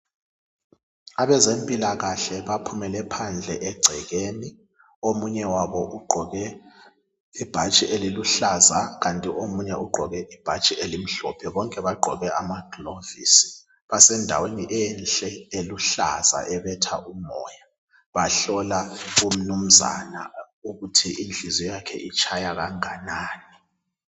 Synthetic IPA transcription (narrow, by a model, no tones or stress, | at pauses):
aβɛzempʼilaɣaɬɛβapʰumɛlɛpʰand͡ɮʱɛ̰ʔɛɡ͡ǀʱɛɣeːni | omuɲɛwaβɔʔuɡ͡ǃʱɔɣɛ | ib̥ʱat͡ʃʼiʔeliluɬazaɣantʼiʔomuɲɛuɡ͡ǃʱɔɣɛʔib̥ʱat͡ʃʼiʔelim̩ɬɔ̰pʰɛβɔŋkʼɛβaɡ͡ǃʱɔ̰ɣɛamaɡ̥ʱlovḭsi̥ | βasɛndʱa̰weniʔɛnɬʼɛeluɬa̰za̰ʔɛβɛtʰaʔumɔ̰ːja | βaɬɔlaum̩num̩za̰na̰ | uɣutʰiʔind͡ɮʱizɔjakʰɛ̰ʔit͡ʃʼʰajaɣaŋanaːni